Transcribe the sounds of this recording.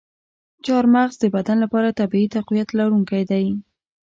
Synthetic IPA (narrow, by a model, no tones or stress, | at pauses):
t͡ʃɑɾmaɣzd̪əbad̪anlapɑɾat̪abiit̪aqwijat̪laɾuŋkajd̪aj